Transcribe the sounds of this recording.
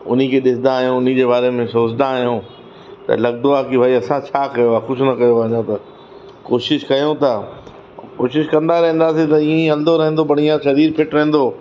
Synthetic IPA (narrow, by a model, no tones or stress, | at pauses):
ʊ̰n̤ikʰeːɗɪsɪd̪ãːɦjõʊn̤id͡ʑeːbaːɾemẽsoːd͡ʑɪd̪ãːɦijõ | t̪ɐ̰lɐɡ̚d̪oaːkibʱaːiɐsãt͡ɕʰaːkɐjoaxʊʃnɐkɐjoʋɐɲõt̪ɐ | koːʃɪʃkɐjõt̪ɐ | koːʃɪʃkɐ̃nd̪aɾɐɦĩn̆d̪aːs̬ĩt̪ɐiːẽɐld̪oɾɐɦẽnd̪obɐɽ̃iãʃɐɾiːɾpɪʈɾɐɦẽn̆d̪oː